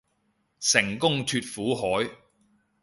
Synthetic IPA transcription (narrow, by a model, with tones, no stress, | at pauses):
sɪ˨˩ŋkʊ˥ŋt̪ʰyː˧t̚fuː˨˥ɦɔː˨˥j